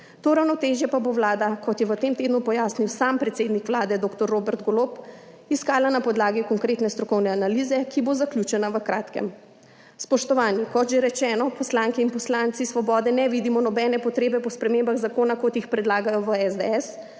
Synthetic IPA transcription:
t̪oːɾawnɔt̪eːʒjɛpaboʋlaːd̪akɔt̪jɛʋət̪emt̪eːd̪nupɔjaːsniwsaːmpɾɛt̪seːd̪nikʋlaːd̪ɛd̪oːkt̪ɔɾːobɛɾt̪ɡɔlop | iskaːlanapɔd̪laːɡikɔŋkɾet̪nɛst̪ɾɔkɔwnɛanalizɛkibozakljut͡ʃɛnaʋəkɾaːt̪kɛ̰m | spɔʃt̪ɔʋaːnjikɔt̪ʒeɾɛt͡ʃɛːnɔpɔslaŋkɛinpɔslaːnt̪sisʋɔbɔːd̪ɛnɛʋid̪imɔnɔbɛːnɛpɔt̪ɾeːbɛpɔspɾɛmembaɣzakoːnakot̪jixpɾɛd̪laːɡajɔʋəɛzd̪ɛɛs

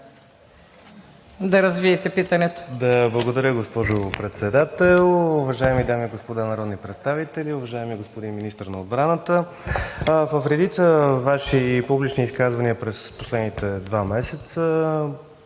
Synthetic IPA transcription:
d̪ɐɾɐzviɛt̪ɛpit̪ɐnɛt̪o̥d̪ɐblˠəɡod̪ɐɾʲəɡospɔʒʊpɾɛt̪sɛd̪at̪ɛlˠʊvɐʒaɛmid̪amiɛɡospod̪anɐɾɔd̪nipɾɛt̪st̪avit̪ɛliʊvɐʒaɛmiɡospod̪inminist̪əɾnɐod̪bɾanət̪ə | vəfɾɛd̪it̪səvaʃipublit͡ʃniːskazvɐniəpɾɛsposlɛd̪nit̪ɛd̪vamɛsɛt̪sə

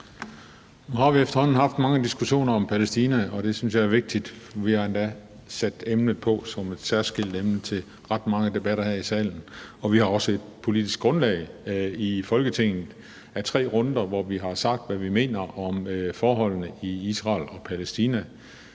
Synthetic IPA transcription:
nuhɑ̈ʋiefd̥ɐhɒ̽n̰n̩ɦɑ̈fd̥mɑ̈ŋəd̥isɡ̥uɕo̝̰ːnɐɒ̽mpʰælesd̥iːnæɒ̽ɾ̥e̝syns̬jɑ̈æɐʋe̝ɡ̥̚d̥id̥ʋihɑ̈end̥æ | sæd̥emnð̩ˠpʰɒ̽sɒ̽me̝d̥sæɐsɡ̥el̰d̥emnət͡sʰe̝l | ʁɑd̥mɑ̈ŋəd̥e̝b̥æɾɐhæɐ̰isɛ̰ːln̩ɒ̽ʋihɑ̈ɒ̽səe̝d̥̚pʰo̝lid̥isɡ̥̚ɡ̥ʁɔ̽nlɛːɪifɒ̽lɡ̥ət͡sʰe̝ŋ̰n̩ˠ | æt͡sʰʁɛ̰ːʁɔ̽nd̥ɐʋɒʋiɦɑ̈sɑ̈ɡ̥̚d̥ʋæʋime̝̰ːnɐʔɒ̽mfɒːɦɒ̽l̰nəiisʁɑ̰̈ːlɒ̽pʰælesd̥iːnæ

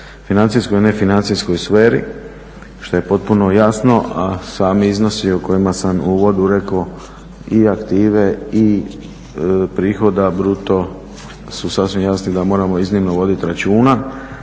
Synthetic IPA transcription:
finansisko̞jne̞finant̪sisko̞jsʋeːɾḭ | ʃt̪o̞je̞po̞t̪̚puno̞jasno̞ʔasaːmiizno̞sioko̞jimasamuʋo̞d̪uɾe̞ko̞ | iakt̪iːʋe̞i | pɾiːxo̞d̪abɾut̪o̞ | susasʋimjasnid̪amo̞ːɾamo̞iznimnoʋo̞d̪it̪ɾat͡ʃuːna

